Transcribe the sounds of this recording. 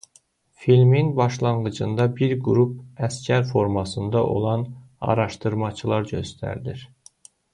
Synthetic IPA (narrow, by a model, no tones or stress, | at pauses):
filminbɑʃlˠɑɴɢɯd͡ʒɯnd̪ɑbiɾɡuɾup̚æscʰæɾfo̞ɾmɑsɯnd̪ɑʔo̞̰lˠɑn | ɑ̰ɾɑʃt̪ɯɾmɑt͡ʃʰɯlˠɑɾɟø̞̰st̪ʰæ̰ɾd̪iɾ